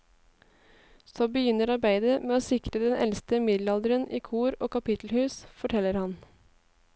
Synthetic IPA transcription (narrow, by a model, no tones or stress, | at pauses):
sɔbəjʏnːəɾɑɾbæɪd̪əmeːoːsɪkɾəd̪ɛnɛ̰lst̪əmɪd̪lɑld̪əɾəniːkʰuːɾoːkɑpɪt̪l̩hʉːsfɔʈʰɛlːəɾhɑn